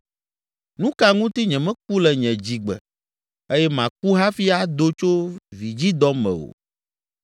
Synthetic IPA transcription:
nũ˦ka˨ŋũ˦t̪i˦ɲɛ̃˨mɛ̃˦k͡pu˦lɛ˨ɲɛ̃˨d͡ʑi˨ɡ͡bɛ̰˨ | e˦jɛ˦mã˨ku˦ɦa˦fi˦a˦d̪o˦t͡ʃo˦vi˨d͡ʑi˦d̪ɔ˦mɛ̰̃˨wo̰˨

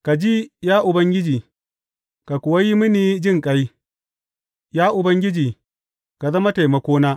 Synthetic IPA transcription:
ka˨d͡ʒi˦jaː˦ʔʊ˨bɐ˦ŋɡʲɪ˦d͡ʒiː˨ | ka˨kʷʊ˨wa˦ji˦mɪ˦niː˦d͡ʒɪ˦ŋkʼa˦j | jaː˦ʔʊ˨bɐ˦ŋɡʲɪ˦d͡ʒiː˨ | ka˨zɐ˦ma˦ta˨jmɐ˨kʷoː˦naː˦

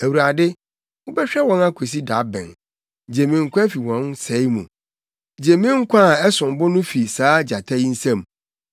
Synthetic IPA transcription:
æ˨wu˨ɾa˨dɪ˦ | wʊ˦bɛ˦ɕᶣɛ˦wɔ̃˦nã˦kʰo˨s̬i˦da˨˦bɛ̰̃˨n | d͡ʑe˨mĩ˨ŋ̩˨kʷʰã˦fi˨wɔ̃˨˦nsɛ˨˦mũ˨ | d͡ʑe˨mĩ˦ŋ̩˦kʰʷã˦˨ɛ˦sʊ̃˨m˨bʊ˦nʊ̃˦fi˨saː˨˦d͡ʑa˨tʰa˦ji˦n̩˦sã˦˨m

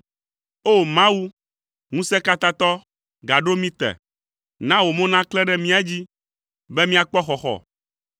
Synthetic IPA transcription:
o˦˨mã˦wu˦ | ŋũ˦sɛ˦ka˦t̪a˦t̪ɔ˦ | ɡa˨ɖo˦mĩ˦t̪ɛ̰˨ | nã˦wo˨mõ˦nã˦klɛ˦ɖɛ˦mĩ˦a˦d͡ʑi˦ | bɛ˦mĩ˦a˨k͡pɔ˦xɔ˨xɔ̰˨

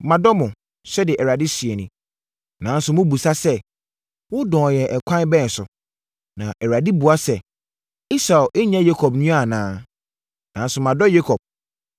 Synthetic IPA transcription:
mã˨dɔ˦mʊ̃˨ | sɛ˦dɪ˨ʔɛ˨ɾa˨di˦sɥe˨nʊ̃˦ | nã˨˦n̩˦sʊ˨mʊ̃˦bu˨sa˦sɛ˦ | wʊ˦dɔ̃ː˨jɛ˨ʔɛ˨kʷʰã˦n˦bɛ̃˦˨sʊ˨ | nã˨ʔɛ˨ɾa˨di˦bu˨a˦sɛ˨ | i˦sa˨ʔe˦ɲã˦je˦kʰɔ˨b̚nũ˦a˦˨nãː˦ | nã˨˦n˦sʊ˨mã˨dɔ˦je˦kʰɔ˨b̚

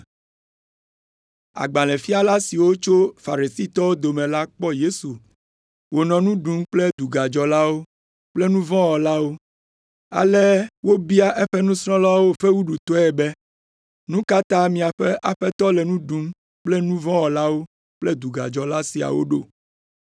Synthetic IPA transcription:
a̰˨ɡ͡ba˨lɛ̃˨fi˦a˦la˦si˨wo˦t͡ʃo˦fa˨ɾi˨si˦t̪ɔ˦wo˦d̪o˨mɛ̃˨la˦k͡pɔ˦je˦su˨ | wo˨nɔ̃˨nũ˦ɖu˦mk͡plɛ˦d̪u˨ɡa˨d͡ʒɔ˨la˦wo˦ | k͡plɛ˦nũ˦vɔ̃˦wɔ˨la˦wo˦ | a̰˨lɛ˦wo˦bi˦a˦ʔɛ˦ɸɛ˦nũ˦sɾɔ̃˦la˦wo˦ɸe˦wu˦ɖu˨t̪ɔ˦ɛ˨bɛ˦ | nũ˦ka˦t̪ã˦mĩ˨a˨ɸɛ˦ʔa˨ɸɛ˦t̪ɔ˦lɛ˨nũ˦ɖu˨˦m | k͡plɛ˦nũ˦vɔ̃˦wɔ˨la˦wo˦ | k͡plɛ˦d̪u˨ɡa̰˨d͡ʒɔ˨la˦si˨a̰˨wo̰˦ɖo˦˨

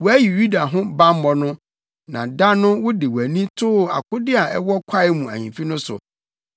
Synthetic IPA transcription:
wɔ˨˦æ˦ji˨ju˦da˨ɦʊ̃˦bã˦m˦mɔ̃˨nʊ̃˦ | nã̰˨da˦nʊ̃˦wʊ˦dɪ˨wæ˨nĩ˦tʰʊ˦˨a̰˨kʰʊ˦dɪ˦a˨ɛ˦wɔ˦kʷʰa˦ɪ˦mũ˨æ̰˨ɲḭ̃˨fi˦nʊ̃˦sʊ̰˨

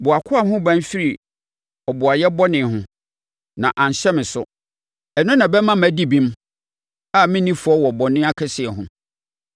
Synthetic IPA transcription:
bʊ˨a˨kʰʊ˦a˨ɦʊ̃˦bã˦n˦fi˦ɾi˨ | ɔ˨bʊ˨a˨jɛ˦bɔ˦nɪ̃˨hʊ̃˦ | nã˨ʔã˨ɲ˨ɕɛ˦mɪ̃˨sʊ˦ | ɛ˨nʊ̃˦nã˨bɛ˦mã˦mæ˨di˦bĩ˦m | a˦mɪ̃˦nĩ˦fʊ˨˦ɔ˦wɔ˨bɔ˨nɪ̃˦a˦kʰɛ˦sɪ˨ɛ˨ɦʊ̃˨

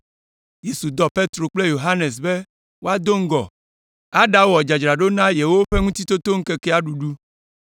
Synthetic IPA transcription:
je˦su˨d̪ɔ˨pe˦t̪ɾo˨k͡ple˦jo˨ɦa˦ne˨s̬be˦ | wo˦a˦d̪o˦ŋ̩˦ɡɔ̰˨ | a˦ɖa˦wɔ˨d͡ʒa˨d͡ʒɾa˨ɖo˦nã˦je˨wo˦ɸe˦ŋũ˦t̪i˦t̪o˦t̪o˦ŋ̩˦ke˦kɛ˦a˦ɖu˨ɖu˦

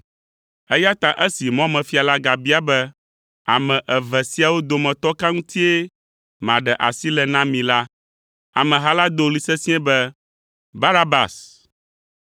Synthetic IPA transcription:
ɛ˦ja˦t̪a˨ʔɛ˦si˨mɔ̃˦mɛ̃˨fi˦a˨la˦ɡa˨bi˦a˦bɛ˦ | a˨mɛ̃˨ʔɛ˨vɛ˨si˦a˨wo˦d̪o˨mɛ̃˨t̪ɔ˦ka˦ŋũ˦t̪i˦e˦ | mã˨ɖɛ˨ʔa̰˨si˦lɛ˨nã˦mĩ˨la˦ | a̰˨mɛ̃˨ɦa˦la˦d̪o˦˨li˦sɛ˦sĩ˦ɛ̃˦bɛ˦ | ba˦na˦ba̰˨s

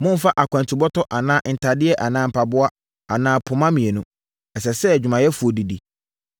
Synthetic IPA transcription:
mʊ̃˦fa˦ʔa˨kʷã˨n˨tʰi˨bɔ˦tʰɔ˦ʔa˨nãː˦n̩˨tʰa˨dɪ˦ɛ˦ʔa˨nãː˦m̩˨pʰa˨bʊ˦a˦ | a˨nãː˨˦pʰʊ˨mã˦mĩ˨ɛ˨nʊ̃˦ | ɛ˨s̬ɛ˨sɛ˦˨d͡ʑᶣu˨mã˨jɛ˦fu˨o˨di˨di˨

